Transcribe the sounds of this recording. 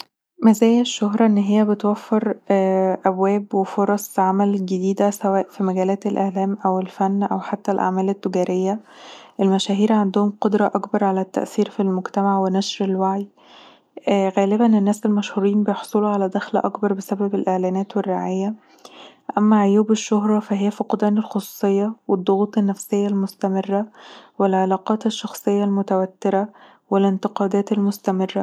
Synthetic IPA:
mæzæːjːæʃːoɦɾˤɑʔenːɦejːæbet̪wæfːeɾ | ʔæbwæːbwefoɾˤɑsˤʕamælɡed̪iːd̪æsæwæːʔfimæɡæːlæːt̪elʔeʕlæːmʔæwelfænːʔæ̰wħat̪ːælʔa̰ʕmæːlet̪ːeɡæːɾejːæʔelmæʃæːɦiːɾʕand̪ʊhomqod̪ɾˤɑʔɑkbɑɾˤʕalæt̪ːæ̰ʔθiːɾfilmoɡt̪æmaʕwenæʃɾelwaʕj | ɣæːlɪbænenːæːselmæʃhuːɾiːnbejoħsˤuːluʕalæd̪æxlæ̰ʔɑkbɑɾˤbesæbæbelʔeʕlæːnæːt̪werːaʕajːæ | ʔæmːæʕojuːbeʃːoɦɾˤɑfæɦejːæfiqɑd̪æːnelxosu̥ːsˤejːɑwed̪ˤːoɣuːt̪ˤenːæfsejːælmost̪æmerːæwelʕelɑːqɑːt̪eʃːɑxsˤejːɑlmot̪æwæt̪ːeɾæ | welɪnt̪ɪqɑːd̪æːt̪elmost̪æmerːæ

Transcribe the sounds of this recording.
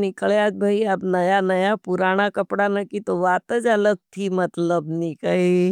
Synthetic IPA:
nɪkəɭad͡ʒ̪̚bʱaiɐpnɐjanɐjapuɾaːñakɐpɽanɐkit̪oʋaːt̪əd͡ʒɐləɡ̚t̪ʰimɐt̪ləbnɪkəe

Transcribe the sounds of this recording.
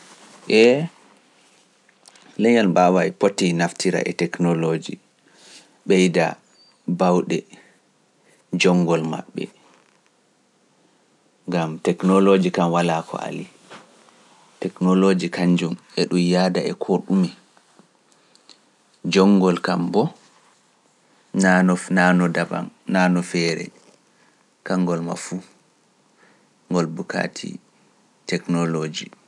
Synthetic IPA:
ʔɛ | lɛɲalbawajpotːinaftiɾa̰ʔɛtɛknɔlod͡ʒḭ | ɓɛjda̰ | bawɗɛ | d͡ʒɔŋːɡɔlma̰ɓːɛ̰ | ŋɡamtɛknɔlod͡ʒikamwalakʰɔ̰a̰li | tɛknɔlod͡ʒikaɲd͡ʒumɛɗumjaːdaɛkʰoɗumi | d͡ʒɔŋːɡɔlkambɔ | nanɔnanɔdaba̰nnanɔfɛɾɛ̰ | kaŋɡɔlma̰fu | ŋɡɔlbuka̰tʰḭ | tɛknɔlod͡ʒi

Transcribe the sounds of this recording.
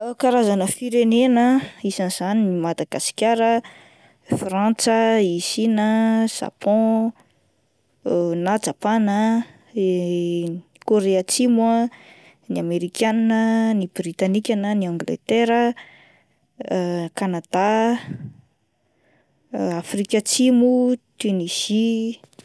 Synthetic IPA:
kaɾazanəfiɾenenəisaniz̥aninimad̪aɡasi̥kʲaɾə | frãnt͡səisinəz̥a̰pʰɔ̃ | nad͡ʒapanə | koɾeat͡simwə | niameɾikʲaninənibrit̪anikʲanəniãŋɡlḛt̪eɾə | kanad̪a | afrikʲat͡simut̪ynisi

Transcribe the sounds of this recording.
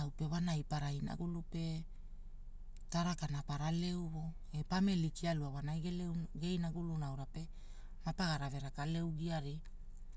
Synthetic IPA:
awpe̞βanajpaɾajna̰ɡulupe̞ | taɾakanapaɾale̞wβo̞ | epame̞likialuawanajɡeleɡe̞jnaɡulunawɾape̞ | mapaɡaɾave̞ɾakale̞wɡiaɾi

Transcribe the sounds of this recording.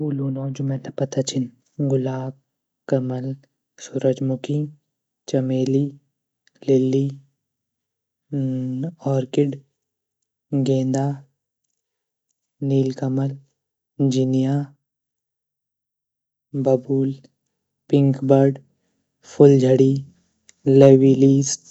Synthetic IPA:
buːloːnoːd͡ʒʊmẽːt̪ɐpɐt̪at͡ʃʰɪn | ɡʊlaːb̚ | kɐməl | sʊɾəd͡ʒmʊkĩ | t͡ʃɐmeːliː | lɪlːiː | ɔːɾkɪɖ | ɡẽːnd̪aː | niːlkəməl | d͡ʒɪnijaː | bɐbuːl | pɪ̃ŋkbəɾɖ | pʰʊld͡ʒʱəɽiː | leːwiliːs

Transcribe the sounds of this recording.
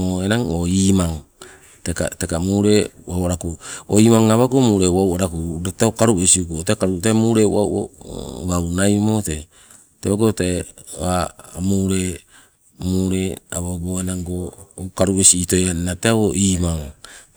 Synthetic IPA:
oenaŋoimaŋ | teka̰tekamuːɾewawaɾakuoimaŋaβakomuːɾewawaɾakuɾataokaɾuesiukotekaɾutamuɾewa̰wo̰wawnajmote | teoɡotaeβamuːɾe | muːɾeaβawboenaŋɡokaɾuesiitojanateaoiːmaŋ

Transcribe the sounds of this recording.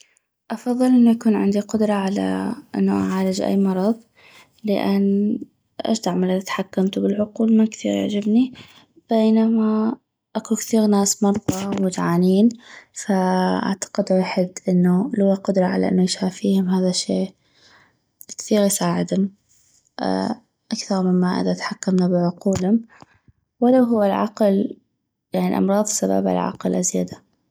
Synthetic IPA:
ʔɑfɑðˤːɨlʔɪnːujakuːnʕɪ̰nd̪iqʊd̪ɾˤɑʕala̰ʔɪ̰nːuʔa̰ʕaːɾad͡ʒʔḭjːmɑɾˤɑðˤ | lɪʔanː | ʔa̰ʃd̪aʕmalaðat̪ħakːamt̪ubɪlʕʊquːlmankθḭɣjʊ̰ʕd͡ʒɪbni | b̥eːnama | ʔakukθiːɣnaːsmɑɾˤðˤɑwmʊt̪ʕaːniːnfaʔa̰ʕt̪ḁqɪd̪waːħɪd̪ʔɪnːulʊwːaqʊd̪ɾˤɑʕa̰la̰ʔɪ̰nːujʃaːfiːhʊmɦaːðaʃːeː | kθiːɾjsaːʕɪd̪hʊm | ʔ | ʔakθɑɾˤmɪmːaʔa̰d̪ʔat̪ħakːamnabɪʕʊquːlhʊm | wɪlawɦʊːalʕɑql | jaʕniʔɑ̰mɾˤɑːðˤsaba̰ba̰lʕɑ̰qlʔazja̰d̪a

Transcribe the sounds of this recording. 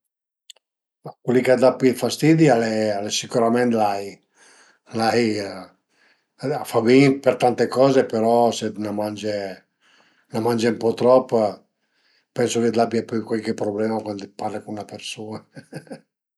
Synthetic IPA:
makwelikad̪apːifast̪id̪ialealesikuɾamɛnt̪laj | laj | afabinpeɾt̪ant̪ekɔːzepeɾɔsenamand͡ʒe | namãnd͡ʒempɔt̪ɾɔpː | pɛnsoked̪abiapykwalkepɾoblɛmakwand̪parlekunnapeɾsuːna

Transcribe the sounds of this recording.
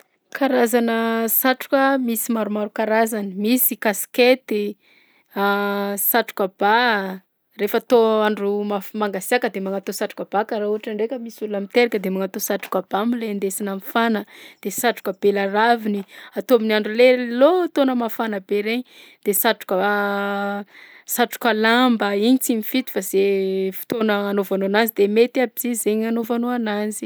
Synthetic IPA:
kʰaɾazanəsaʈ͡ʂu̥kʲəmisimaɾumaɾukaɾazanimisikasi̥ket̪i | asaʈ͡ʂu̥kəb̥a | refat̪oaɳɖ͡ʐumafmaŋɡasiakəd̪emaŋat̪osaʈ͡ʂu̥kəb̥akaɾauaʈ͡ʂaɳɖ͡ʐekʲəmisulunamit̪eɾakʲəd̪emaŋat̪osaʈ͡ʂu̥kəb̥amilend̪esinamifanəd̪̥esaʈ͡ʂu̥kʲəb̥elaraviniat̪ominaɳɖ͡ʐulelot̪onəmafanəbeɾeɲid̪̥esaʈ͡ʂu̥kə | saʈ͡ʂu̥kʲəlambəiɲit͡simifit̪u̥faz̥efu̥t̪onəanovanoanazid̪emet̪iabizizeɲanovanoanazi̥

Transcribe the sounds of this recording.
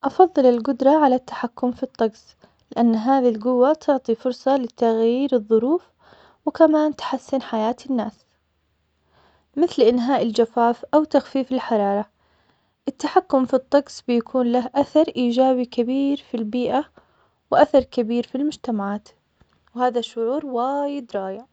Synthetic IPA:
ʔɑfɑðˤːɨlɪlɡʊd̪ɾˤɑʕalat̪ːḁħakːʊmfit̪ˤːɑɡs | lɪʔanːɦaːðilɡʊwːat̪ʰʊʕt̪ˤifʊɾˤsˤɑlɪt̪aɣjiːɾɨðˤːʊɾuːf | wɪkamaːnt̪ħasːɪnħajaːt̪ɪnːaːs | mɪθlʔɪnɦaːʔɪld͡ʒafaːfʔawt̪axfiːfɪlħɑɾˤɑːɾˤɑ | ʔɪt̪ːaħakːʊmfit̪ˤːɑɡsbjakʰuːnlahʔaθɑɾˤʔiːd͡ʒaːbikabiːɾfilbiːʔa | wʔaθɑɾˤkabiːɾfilmʊd͡ʒt̪amaʕaːt̪ | whaːðaʃʊʕuːɾwaːjɪd̪ɾˤɑːjɪʕ

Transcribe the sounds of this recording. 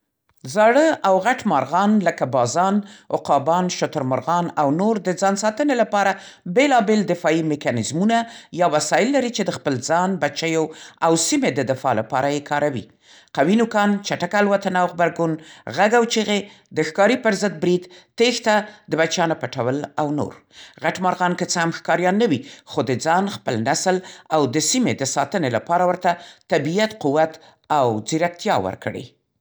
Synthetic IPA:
zɑɽəawɣaʈmɑɾɣɑnləkabɑzɑnʊ̰qɑbɑnʃʊt̪ʊɾmʊɾɣɑnawnoɾd̪əd͡zɑnsɑt̪ənelapɑɾabelɑbeld̪ɪfɑimɪkɑnɪzmunajɑwasɑjɪlːaɾit͡ʃed̪əxpəlzɑnbat͡ʃajoawsimed̪əd̪ɪfɑ̰la̰pɑ̰ɾajekʰɑɾawḭ | qawinukɑnt͡ʃaʈakalwat̪anawxbaɾɡunɣaɡawt͡ʃeɣe | d̪əxkɑɾipəɾzəd̪̚bɾid̪t̪ext̪ad̪əbat͡ʃjɑnopəʈawəlawno̰ɾɣaʈmɑɾɣɑnkət͡səhamxkɑɾjɑnːəwixod̪əd͡zɑnxpəlnaslawd̪əsimed̪əsɑt̪ənelapɑɾawəɾt̪at̪abijat̪quwat̪ | awd͡ziɾak̚t̪jɑwə̰ɾkɽḛ

